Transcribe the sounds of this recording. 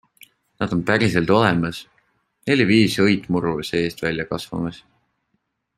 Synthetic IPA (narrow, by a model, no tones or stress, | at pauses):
nɑd̪̥o̞nt̪æɾise̞lt̪o̞lemɑs | ne̞lʲiviːsɤjt̪ˑmuɾuse̞ːst̪vælʲjɑkɑsvɑ̰mɑs